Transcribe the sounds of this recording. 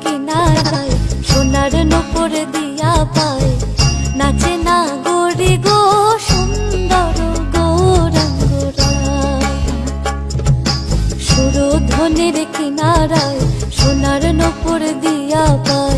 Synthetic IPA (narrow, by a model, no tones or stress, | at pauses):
kinaɾajʃonaɾnupoɾd̪ijapajnat͡ɕenaɡoɾiɡoʃond̪aɾoɡowɾankoɾa | ʃuɾod̪ʱoniɾkinaɾaj | ʃonaɾnopoɾd̪ijapaj